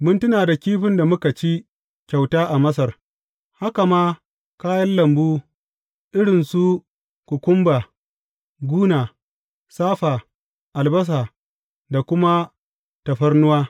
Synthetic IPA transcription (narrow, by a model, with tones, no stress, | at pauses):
mʊ˦ntʊ˦naː˨da˨kʲiː˦ɸɪ˦nda˨mʊ˦ka˨t͡ʃi˦ | kʲa˨wtaː˦ʔa˨mɐ˦sɐ˨r | ha˦ka˨maː˦ | kaː˦jɐ˦nlɐ˨mbuː˦ | ʔɪ˦ɽɪ˨nsu˦ | kʷʊ˨kʷʊ˦mba˨ | ɡʷuː˦naː˨ | saː˦ɸaː˨ | ʔa˨lbɐ˦s̬aː˨ | da˨kʷʊ˦ma˦ | tɐ˨ɸɐ˦rnʊ˦waː˦